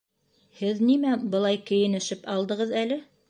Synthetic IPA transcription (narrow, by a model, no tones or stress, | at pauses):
hɘðnimæbɤ̆lˠɑjkɘ̆jɘ̆nɘ̆ʃɘpɑlˠd̪ɤ̆ʁɤðælɘ